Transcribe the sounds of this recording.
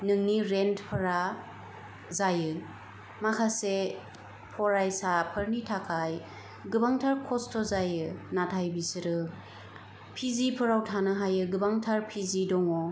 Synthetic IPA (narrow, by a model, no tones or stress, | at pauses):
nɯŋniɾentpʰɯɾa | zajɯ | makʰase | pʰɔɾajsapʰɯɾnitʰakʰaj | ɡɯbaŋtʰaɾkʰɔstʰɔzajɯnatʰajbisɯɾɯ | pʰizipʰɯɾawtʰanɯɦajɯɡɯbaŋtʰaɾpʰizidɔŋɔ